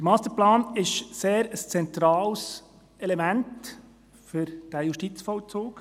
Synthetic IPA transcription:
dəɾmɑːst̪əɾplɑːnɪʃseːɾəst͡sɛnt̪ɾɑːls | ʔɛlɛmænt | fʏɾd̥æːjʊʃtit͡sfɔlt͡soːk

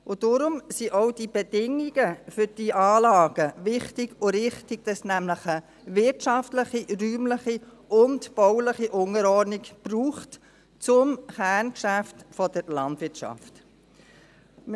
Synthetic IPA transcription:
ʊd̥ʊɾʊmsiʔɔʊd̥ibɛd̥ɪŋiɡ̥əfʏɾd̥iʔɑːlɑːɡ̥əʋɪχtiɡʊɾɪχtɪɡ̥̚d̥ɑsnæmləχə | ʋɪtʃɑftləχiɾyːmləχi | ʊntb̥ɔʊləχiʔʊŋəɾɔniɡb̥ruːχt | t͡sʊmχæːnkʃæftfɔd̥əɾlɑndvɪtʃɑ̰ft | m

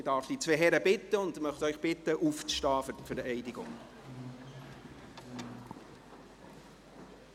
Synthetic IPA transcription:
ɪdɑːɾfd̥it͡sʋeɦɛɾəbɪt̪ːəʊnd̪mœχtœʏχb̥ɪt̪ːəʔuft͡sʃtɑːffəɾɛɪdɪɡʊ̰ŋ

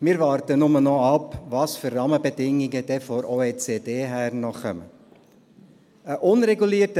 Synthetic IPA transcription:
mɪːɾvɑːrtənʊmənɔɑpʋɑːsførrɑməbɛd̥ɪŋiɡəd̥ɛfɔɾoːeːt͡seːd̥eːɦærnɔχœ̰mə̰ | əʔʊnɾɛɡuliːtə

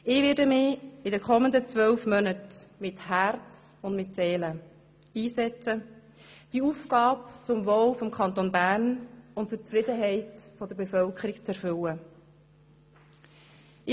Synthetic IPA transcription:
ɪʋɪdəmɪɪdɛkʰɔmənd̪ət͡sʋœlfmœnətmɪthæɾt͡sʊndmɪtseːlə | iːsɛt͡sə | d̥iuːfkɑːpt͡sʊmʋoːlfɔmkʰɑnt̪onbæːɾnʊnt̚t͡sʊɾt͡sfɾɪd̪əɦɛɪtfɔd̪əɾbefœlkʰəɾɪkt͡sɛɾfʏlə | ɪ

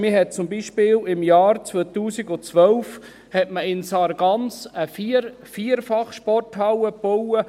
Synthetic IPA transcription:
mɪɦɛt̪̚t͡sʊmbiːʃpɪːlɪmjɑːɾt͡sʋot̪uːsiɡʊt͡sʋœlf | hɛtməɪnsɑɾɡɑnsəfiɾ | fiːəɾfɑχʃpɔrthɑwəpowə

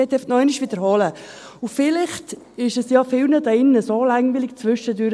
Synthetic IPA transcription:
ɛt̪ːɛftnɔɪnɪʃʋiːd̥̪əɾhɔlə | ʊfɪlɪχt | ɪʃɛsjɑfɪlnəd̪ɪnːəsolaŋvɪlɪkt͡sʋʏʃədøɾ

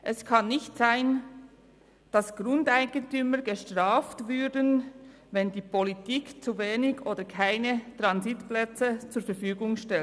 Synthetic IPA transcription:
ʔɛskʰɑnːɪçtz̥aɪn | d̥asɡ̥ʁʊndaɪɡ̥əntyməɡəʃtʁaːftvʏɐdən | vɛndiːpʰolitiːkt͡suveːnɪɡʔoːdəkʰaɪnətʁanzitplɛt͡sət͡suːɐfɛɾfyːɡʊŋʃtɛl

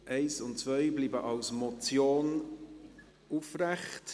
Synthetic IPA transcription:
ʔeɪsʊntt͡svœɪbliːbəʔɑlsmɔt͡sjoːn | ufrɛχt

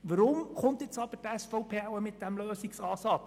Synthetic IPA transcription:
ʋəɾʊmχʊnt̪ɪt͡sɑb̥əɾtɛsfɔʊpʰeːæwəmɪt̚d̥æmløːsiksɑːsɑt

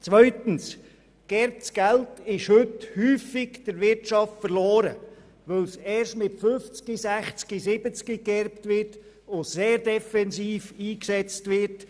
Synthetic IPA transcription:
t͡sʋœʏtən̩s | ɡ̥ɛɾp̚t͡sɡ̥æltɪʃhʏthyːfɪkd̥əɾvɪɾtʃɑftfəɾloːɾə̰ | ʋœlsɛːɾʃtmɪtfʏnft͡skisæχt͡skisɪbət͡skiɡɛɾpt̪ʋɪɾt | oseːɾdɛfɛnsiːfiːksɛt͡stʋɪɾt

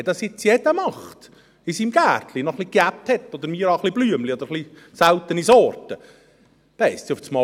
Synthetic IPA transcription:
d̥̪ɑsɪt͡sjɛd̥̪əmɑχt̪ | isimɡ̥æːrt̪ʰlinɔχlikæp̚t̪hɛt̪ːɔd̪əɾmiːɾɑχlib̥lyəmliɔd̪əɾχli | sælt̪ːənisɔːrtə | d̥ɛɪssiuftsmɔ

